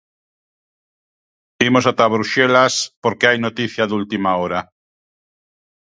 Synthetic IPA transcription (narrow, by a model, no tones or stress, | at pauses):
imosat̪aβɾuʃelaspoɾkeajnot̪iθjaðult̪imaoɾa